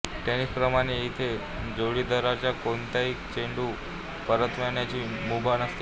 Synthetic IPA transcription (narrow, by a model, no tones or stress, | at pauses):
ʈɛnispɾəmaɽ̃eit̪ʰe | d͡zoɽid̪əɾaɾt͡ɕakont̪aikt͡ɕeɳɖu | pəɾət̪ʋanjat͡ɕimubanəst̪